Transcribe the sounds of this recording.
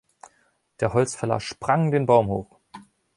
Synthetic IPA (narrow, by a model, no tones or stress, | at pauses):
d̥eːɐɦɔlt͡sfɛɐla̰ʃpʁ̥aŋdeːnbaʊmho̰ːχ